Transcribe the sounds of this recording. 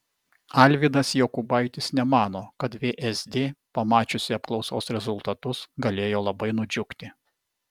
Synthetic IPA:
ɐlʲʋʲɪd̪ɐsjoːkʊbɐˑɪt̪ʲɪsnʲɛmɑːnoːkɐt̪ʋʲeːʔɛzd̪ʲeːpɐmɑːt͡ʃʲʊsʲɪɐp̚klˠɒʊsoːsɾʲɛzʊlˠt̪ɐt̪ʊsɡɐlʲeːjoːlˠɐbɐɪnʊd͡ʒʲʊkt̪ʲɪ

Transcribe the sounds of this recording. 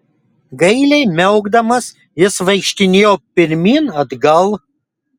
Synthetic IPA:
ɡɐɪlʲɛɪmʲɛʊɡd̪ɐmɐs | jɪsʋɐɪkʃʲt̪ʲɪnʲeːjoːpʲɪɾʲmʲiːnɐd̪ɡɐlˠ

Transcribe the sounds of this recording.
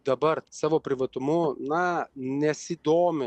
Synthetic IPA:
d̪ɐbɐɾsɑːʋoːpʲɾʲɪʋɐt̪ʊmʊnɐnʲɛsʲid̪oːmʲɪ

